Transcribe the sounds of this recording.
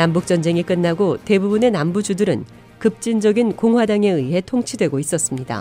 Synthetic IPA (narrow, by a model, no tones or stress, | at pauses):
nambuk̚t͡ɕ͈ʌnd͡ʑe̞ŋik͈ɯnːaɡote̞bubune̞nambud͡ʑudɯɾɯ̰n | kɯp̚t͡ɕ͈ind͡ʑʌɡinkoŋɦwadaŋe̞ɯiɦe̞tʰoŋt͡ɕʰidwe̞ɡois͈ʌs͈ɯmɲida̰